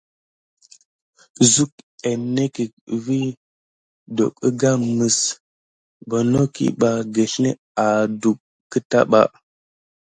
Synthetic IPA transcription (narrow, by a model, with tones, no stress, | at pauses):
zu˦k̚e˨ne˦ki˨ | vi˦ | do̰˨kə˦ɡa˦mə˨s | bo˨no˦kḭ˦ɓa˨ɡe˨ɬne˦ | a˨du˨kːə˦ta̰˦ɓa̰˨